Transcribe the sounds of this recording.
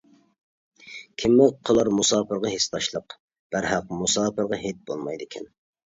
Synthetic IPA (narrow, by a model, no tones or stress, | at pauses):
kʲʰɪmːɪqʰəlˠɑɾmusɑːpʰɨɾʁɑɦest̪ɑʃlˠəq | b̥æɾɦɑqmusɑːpɨɾʁɑɦet̪̚bolˠmɑjd̪ɪkʲʰɛ̰n